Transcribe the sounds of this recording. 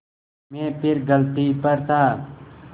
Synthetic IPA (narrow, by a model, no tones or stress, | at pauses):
mẽːpʰɪɾɡəlt̪iːpəɾt̪ʰaː